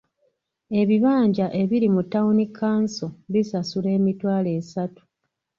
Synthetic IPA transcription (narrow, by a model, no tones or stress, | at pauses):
e̞βiβaːɲɟaʔe̞βiɾimutːaunikːaːnsoβisasule̞ːmitwaːle̞ːsatu̥